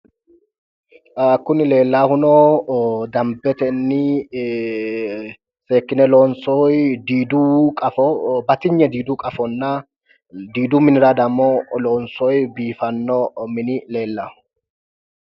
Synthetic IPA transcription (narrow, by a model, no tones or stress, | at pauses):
aːkːʊnɪle̞ːlːaːhʊnɔ | d̪ɐmbɛt̪ɛnːɪ | se̞ːkːɪnɛloːnsɔjd̪iːd̪ʊkʼɐfɔbɐt̪ɪɲːɛd̪iːd̪ʊkʼɐfɔnːɐ | d̪iːd̪ʊmɪnɪɾɐd̪ɐmːɔlɔːnsɔjbiːfɐnːɔmɪnɪle̞ːlːahʊ